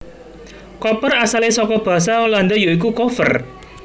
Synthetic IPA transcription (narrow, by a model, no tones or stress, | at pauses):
kɔpərasalesɔkɔb̥ä̤s̬aɔland̪ɔjoik̬ukofə̰r